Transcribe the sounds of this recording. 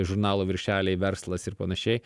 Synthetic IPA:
ʒʊɾnɑːlˠoːʋʲɪɾʲʃʲæːlʲɛɪʋʲɛɾslˠɐsɪɾpɐnɐʃʲɛɪ

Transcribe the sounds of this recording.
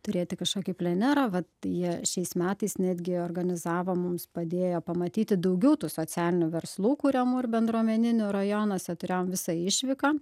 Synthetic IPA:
t̪ʊɾʲeːt̪ʲɪkɐʃkoːkʲipʲlʲɛnʲæːɾɐʋɐt̪jiɛʃʲɛɪsmʲæːt̪ɐɪsnʲæːd̪ʲɡʲɪoːrɡɐnʲɪzɑːʋoːmʊmspɐd̪ʲeːjoːpɐmɐt̪ʲiːt̪ʲɪd̪ɐʊɡʲɛʊt̪uːsoːt͡s̪ʲæːlʲɪnʲʊʋʲɛɾslˠuːkuɾʲɛmuːɪrbʲɛnd̪ɾuɔmʲɛnʲɪnʲʊɾɐjoːnoːsʲɛt̪ʊɾʲeːjoːmʋʲɪsɑɪʃʲʋʲɪkɐ

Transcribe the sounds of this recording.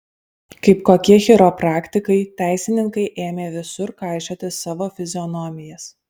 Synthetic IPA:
kɐɪpkoːkʲiɛxʲɪɾopɾɑːkt̪ʲɪkɐɪt̪ʲæˑɪsʲɪnʲɪŋkɐɪʔeːmʲeːʋʲɪsʊɾkɑˑɪʃʲoːt̪ʲɪsɑːʋoːfʲɪzʲɔnɔmʲɪjɛs

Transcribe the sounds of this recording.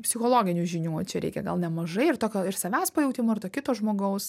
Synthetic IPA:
pʲsʲɪxoːlˠoːɡʲɪnʲuːʒʲɪnʲuːt͡ʃʲɛɾʲɛ̰ɪkʲɛ̰ɡɐ̰lˠnʲɛmɐʒɐɪɪrt̪oːkʲoːɪɾsɐʋʲæːspɐjɛʊt̪ʲɪmoːɪɾt̪oːkʲɪt̪oːʒmoːɡɐʊs

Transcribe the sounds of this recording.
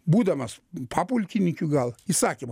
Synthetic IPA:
bud̪amaspʰapulʲkʲʰinʲikʲuɡalisakʲim

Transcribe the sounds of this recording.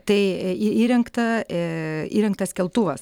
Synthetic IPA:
t̪ɐɪiiːɾʲɛŋkt̪ɐ | ḭːɾʲɛŋk̚t̪ɐskʲɛlˠt̪uʋɐs

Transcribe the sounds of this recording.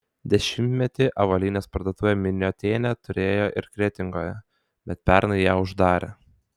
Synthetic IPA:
d̪ʲɛʃʲɪmʲt̪ʲmʲɛt̪ʲɪʔɐʋɐlʲiːnʲeːspɐɾd̪oːt̪uːʋʲɛːmʲɪnʲoːt̪ʲeːnʲɛt̪ʊɾʲeːjoːʔɪɾkɾʲɛt̪ʲɪŋɡoːjɛ | bʲɛt̪̚pʲɛɾnɐɪjæːʊʒd̪ɑːɾʲʔḛ

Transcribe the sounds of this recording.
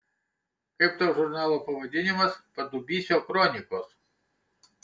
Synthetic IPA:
kɪpt̪ɔʐʊrnalˠɔpɔʋɐd̪ʲinʲɪmɐspɐd̪ʊbʲisʲɔkɾɔnʲikɔs

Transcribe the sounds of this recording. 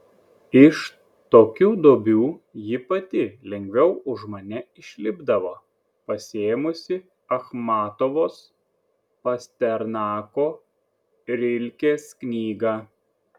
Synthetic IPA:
ɪʃ | t̪oːkʲuːd̪oːbʲuːjɪpɐt̪ʲɪlʲɛŋʲɡʲʋʲɛʊʊʒmɐnʲɛɪʃʲlʲɪbd̪ɐʋoː | pɐsʲeːmʊsʲɪ | ɐxmɑːt̪oʋoːs | pɐsʲt̪ʲɛɾnɑːkoː | ɾʲɪlʲkʲeːsknʲiːɡɑː

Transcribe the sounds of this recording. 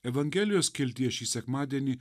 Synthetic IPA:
ɛʋɐŋʲɡʲɛːlʲɪjoːskʲɪlʲt̪ʲiɛʃʲiːsʲɛkmaːd̪ʲiɛnʲi

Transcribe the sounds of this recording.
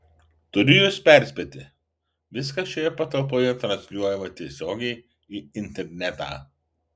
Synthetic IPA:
t̪ʊɾʲɪjʊːspʲæˑɾʲsʲpʲɛt̪ʲɪ | ʋʲɪskɐʃʲoːjɛpɐt̪ɐlˠp̬oːjɛt̪ɾɐnʲsʲlʲuɔjɛmɐt̪ʲiɛsʲoːɡʲɛɪ | iːɪnʲt̪ʲɛɾʲnʲɛt̪ɑ̰ː

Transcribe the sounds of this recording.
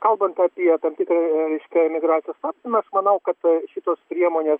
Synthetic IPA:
kɐlˠbɐnt̪ɑpʲiɛt̪ɐmʲt̪ʲɪːkɾɐɾʲɛɪʃʲkʲɛɛmʲɪɡɾɑːt͡s̪ʲɪjoːst̪ɑːpʲsʲt̪ʲɪmɐɐʃmɐnɐʊkɐt̪ʃʲɪt̪oːspʲɾʲiɛmoːnʲeːs

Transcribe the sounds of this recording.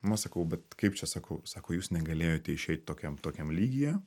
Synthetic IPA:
mɐsɐkɐʊbʲɛt̪kɐɪp̚t͡ʃʲɛsɑːkɐʊsɑːkoːjuːsnʲɛɡɐlʲeːjoːt̪ʲɛɪʃʲɛɪt̪̚ʲt̪oːkʲɛmt̪oːkʲɛmlʲiːɡʲɪjɛː

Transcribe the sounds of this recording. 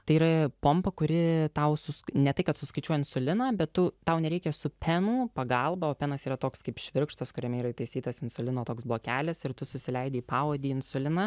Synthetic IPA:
t̪ɐɪiɾɐpoːmpɐkʊɾʲɪt̪ɐʊsʊsnʲɛt̪ɐɪkɐt̪sʊskɐɪt͡ʃʲuɔjɪnsʊlʲɪnɐːbʲɛt̪tʊt̪ɐʊnʲɛɾʲɛɪkʲɛsʊpʲɛnuːpɐɡɐlˠbɐoːpʲɛnɐsiːɾɐt̪oːkskɐɪpʃʲʋʲɪɾkʃt̪ɐskʊɾʲɛmʲɛiːɾɐɪt̪ɐɪsʲiːt̪ɐsɪnsʊlʲɪnoːt̪oːksblˠoːkʲæːlʲɪsɪɾt̪ʊsʊsʲɪlʲɛɪd̪ʲeːiːpɑːoːd̪ʲiːɪnsʊlʲɪnɑ

